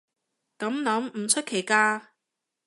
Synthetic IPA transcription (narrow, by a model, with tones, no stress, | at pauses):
kɐ˨˥mlɐ˨˥mm̩˨˩t͡ʃʰɵ˥t̚kʰe˨˩jkaː˧